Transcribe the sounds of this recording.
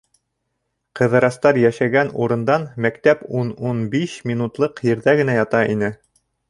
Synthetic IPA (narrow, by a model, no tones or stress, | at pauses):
qɤ̆ðɤ̆ɾɑst̪ɑɾjæʃæɡænuɾɤ̆nd̪ɑnmækt̪æpununbiʃmʲinut̪lˠɤqjɘ̆ɾðæɡɘ̆næjɑt̪ɑʔinɘ